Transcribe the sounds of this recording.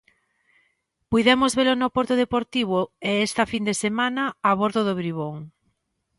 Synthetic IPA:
pujðɛmozβelonopoɾt̪oðepoɾt̪iβ̞oeest̪ɐfind̪esemanaaβoɾðoðoβɾiβ̞oŋ

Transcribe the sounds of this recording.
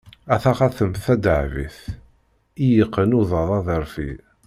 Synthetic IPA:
æθɑχɑθəmθæd̪əʕvḭθ | ijəqːənuðˤɑðˤɑðˤəɾˤfḭ

